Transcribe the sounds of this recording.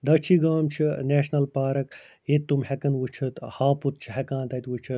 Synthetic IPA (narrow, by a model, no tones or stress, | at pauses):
d̪ɐt͡ʃʰiɡaːmt͡ʃʰineːʃnɐlpaːɾɐk | jet̪ːumhekɐnʋut͡ʃʰɐt̪haːput̪̚t͡ʃʰiɦekãːnt̪ɐt̪ʲʋut͡ʃʰɐt̪